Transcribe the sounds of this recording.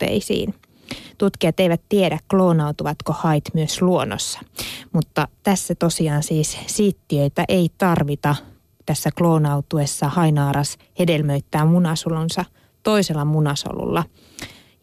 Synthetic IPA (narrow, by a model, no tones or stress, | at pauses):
ḛisḭːn | t̪ut̪kiɑt̪eiʋæt̪t̪iedækkloːnɑwt̪uʋɑt̪kohɑit̪myøsluono̰sːɑ̥mut̪ːɑt̪æsːæt̪osiɑːnsiːssiːt̪ːiøit̪æʔeit̪ɑrʋit̪ɑ | t̪æsːækloːnɑut̪uesːɑhɑinɑːɾɑs | hedelmøyt̪ːæːmunɑsolunsɑ | t̪o̞iselːɑmunɑso̰lṵlːɑ